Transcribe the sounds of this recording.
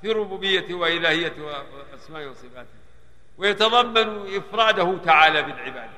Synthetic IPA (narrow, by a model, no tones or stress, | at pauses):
fiːɾʊbuːbɪjːat̪waʔɪlaːhɪjːat̪w | ʔasmaːʔwɑsˤɨfaːt̪ɪ̥ | wɪjat̪ɑðˤɑmːanuʔɪfɾˤɑːd̪ahʊt̪aʕaːlabɪlʕɪbaːd̪a